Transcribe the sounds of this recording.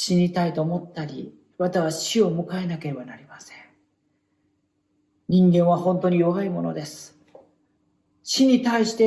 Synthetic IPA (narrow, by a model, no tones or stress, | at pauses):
ɕiɲ̟it̪ait̪o̞ːmo̞t̪ːaɾʲḭ | βat̪aβaɕio̞mɯ̟kae̞nake̞ɾe̞banaɾʲimasẽŋ | ɲ̟ĩŋɡẽɰ̃β̞ahõ̞nt̪o̞ɲ̟ijo̞βaimo̞no̞̰d̪e̞sɨ̥ | ɕiɲ̟it̪aiɕi̥t̪e̞